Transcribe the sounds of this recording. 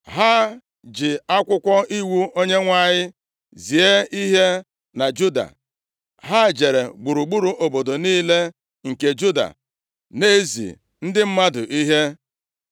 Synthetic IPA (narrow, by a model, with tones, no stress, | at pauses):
ɦa˦ | d͡ʒɪ˨a˦kʷʊ˦kʷɔ˦i˦wu˦o˦ɲe˦ŋʷa˦˨ɲɪ˦ | zi˨e˦i˦ɦe˦ | na˨d͡ʒu˦da̰˨ | ɦa˦d͡ʒe˨ɾe˨ɡ͡bu˨ɾu˨ɡ͡bu˦ɾu˨ʔo˨bo˨do˨niː˦le˦ | ŋ̩˨ke˨d͡ʒu˦da̰˨ | ne˦zḭ˨ | n̩˦dɪ˦m̩˦ma˦dʊ̰˨ʔi˦ɦe˦